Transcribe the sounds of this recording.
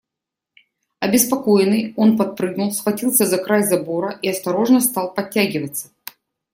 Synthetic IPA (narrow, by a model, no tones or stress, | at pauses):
ɐbʲɪspɐko̞jɪnːɨjo̞npɐt̪̚pɾɨɡnʊlˠsxvɐtʲilˠsʲəzɐkɾajzɐbo̞ɾəʔiɐst̪ɐɾo̞ʐnəst̪ɑlˠpɐt̚ʲːæɡʲɪvət̪sːə̥